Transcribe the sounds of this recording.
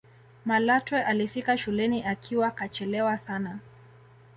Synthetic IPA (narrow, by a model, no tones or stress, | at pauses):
malatwɛʔalifikaʃulɛniʔakʰiwakat͡ʃɛlɛwasana